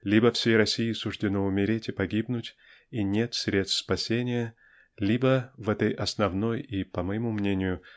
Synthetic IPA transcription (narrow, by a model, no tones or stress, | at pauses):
lʲibəfsʲejrɐsʲijɪsʊʐdʲɪnoʊmʲɪɾʲetʲɪpɐɡʲibnʊtʲ | inʲe̞t̪sʲɾʲe̞t̪st̪spɐsʲenʲɪjə | lʲibəvɛt̪əjʔɐsnɐvno̞jipəməjɪmumnʲenʲɪjʊ